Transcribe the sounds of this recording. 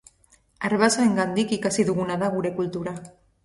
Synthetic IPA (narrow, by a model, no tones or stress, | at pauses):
aɾβasaeŋɡand̪ikikasiðuɣunaðaɣuɾe̞kult̪uɾa